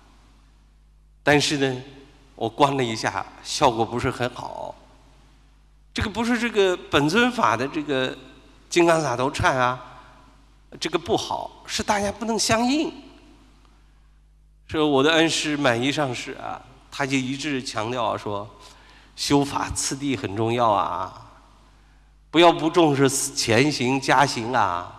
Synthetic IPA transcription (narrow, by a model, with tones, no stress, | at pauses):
t̪a˥˧nʂɻ̩˥˩nə˩ | wʔɔ˨˩kwa˥nlə˨i˧˥ɕja̰˥˩ɕjɑ˥˩ʊkwɔ˨˩pu˧˥ʂɻ̩˥˩xə˧˥nxɑ̰˨˩˦ʊ | ʈ͡ʂɤ˥˩ɡə˩pu˧˥ʂ̬ɻ̩˥˧ʈ͡ʂɤ˥˩ɡə˩pə˨˩nt͡sʰwə˥nfa̰˨˩d̪ə˦ʈ͡ʂɤ˥˩ɡə˩ | t͡ɕi˥ŋkɑ˥ŋsa˨˩t̪o˧˥ʊʈ͡ʂʰa˥˩nɐ˩ | ʈ͡ʂɤ˥˩ɡə˩pu˥˩xɑ̰˨˩˦ʊʂɻ̩˥˧t̪a˥˩t͡ɕja˥pu˥˩nɤ˧˥ŋɕjɑ˥ŋi˥˩n | ʂɔ˥˩wɔ˨˩d̪ə˦ə˥nʂɻ̩˥ma˨˩ni˧˥˧ʂɑ˥˧ŋʂɻ̩˥˩ɐ̰˨˩t̪ʰa˥t͡ɕjo˥˩ʊi˧˥ʈ͡ʂɻ̩˥˩t͡ɕʰjɑ˧˥ŋt̪jɑ˥˩ʊ̰˩ʂwɔ˥ | ɕjo˥ʊfa̰˨˩t͡sʰɹ̩˥˧t̪̬i˥˩xə˨˩nʈ͡ʂʊ˥˧ŋjɑ˥˩ʊɐ̰˩ | pu˧˥jɑ˥˩ʊpu˧˥ʈ͡ʂʊ˥˧ŋʂ̬ɻ̩˥˩˨t͡ɕʰjɛ˧˥nɕi˧˥ŋt͡ɕja˥ɕi˧˥ŋɐ̰˧˩